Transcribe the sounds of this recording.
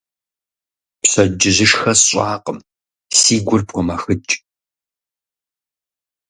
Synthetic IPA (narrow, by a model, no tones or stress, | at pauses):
pɕɐd͡ʒɪʑɪʂxɐsɕʼaːqəm | siːɡʷʊrpkʷʰɔmɐxɨt͡ʃʼ